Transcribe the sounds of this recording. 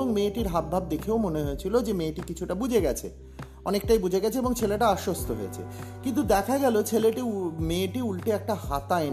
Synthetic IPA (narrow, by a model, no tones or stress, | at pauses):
oŋmeʈiɾɦab̪̚bʱab̚d̪ekʰeomoneɦoet͡ɕʰilod͡ʑemeʈikit͡ɕʰuʈabud͡ʑʱeɡɛt͡ɕʰḛ | ɔnek̚ʈajbud͡ʑʱeɡɛt͡ɕʰeeːboŋt͡ɕʰeleʈaaʃːost̪ʰoɦo̰et͡ɕʰḛkint̪ud̪ɛkʰaɡɛlot͡ɕʰeleʈimeʈiulʈeɛk̚ʈahat̪ae